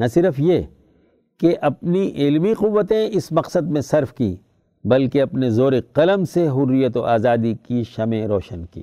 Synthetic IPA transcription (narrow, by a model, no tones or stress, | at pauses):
nɐsɪɾəfje | keʔɐp̚niʔɪlmiqʊʋːət̪ẽɪsmɐqsəd̪̚mẽsɐɾfkḭ̃ː | bɐlkeɐpnezoːɾeqɐləmseɦʊrːijət̪oʔaːzaːd̪ikiʃɐmẽɾoːʃənkḭː